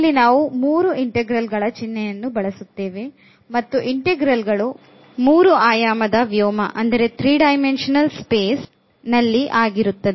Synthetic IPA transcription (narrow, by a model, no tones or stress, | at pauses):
lːinaːʋumuːɾuiɳʈeɡɾɐlɡɐɭɐt͡ʃinːɛjɐnːubɐɭɐsut̪ːeːʋe | mɐt̪ːuʔiɳʈeɡɾɐlɡɐɭu | muːɾuaːjaːmɐd̪ɐʋjɔːmɐ̰ʔɐnd̪ɐɾe̞t̪ɾiːɖɐjmenʂɐnɐlspeːs | nɐlːiʔaːɡiɾut̪ːɐd̪e